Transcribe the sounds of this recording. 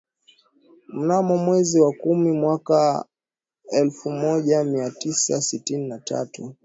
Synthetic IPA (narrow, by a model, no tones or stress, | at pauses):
m̩namɔmwɛziwakumimwaka | ɛlfumɔʄamiatisasitininatʰa̰tu